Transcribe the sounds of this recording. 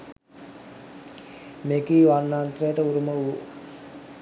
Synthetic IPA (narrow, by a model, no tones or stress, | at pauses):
mekiːʋanːant̪rejəʈəuɾuməuu